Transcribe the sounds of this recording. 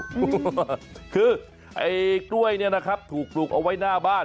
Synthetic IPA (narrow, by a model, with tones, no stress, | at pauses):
kʰɯː˧ | ʔa˧jkɾu˥˩əjni˥˩ɐna˦˥kʰa˦˥p̚t̪ʰuː˨˩k̚pluː˨˩k̚ʔa˧wa˦˥jnaː˥˩baː˥˩